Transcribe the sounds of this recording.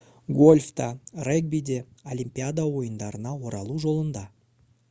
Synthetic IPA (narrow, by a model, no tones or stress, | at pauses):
ɡo̞lʲft̪ɑreɡ̚bijd̪e̞olʲimʲpʲijad̪awo̞jənd̪ɑɾənɑwo̞ɾɑ̰lˠuʒo̞lˠənd̪ɑ